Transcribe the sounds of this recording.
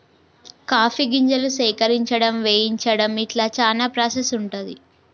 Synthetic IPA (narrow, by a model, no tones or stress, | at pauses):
kaːpʰiɡiɲd͡ʒɐlusɛːkɐɾiɲt͡ʃɐɽɐmʋeːjiɲt͡ʃɐɽɐmiʈlaːt͡ʃaːlaːpɾaːsesuɳʈund̪i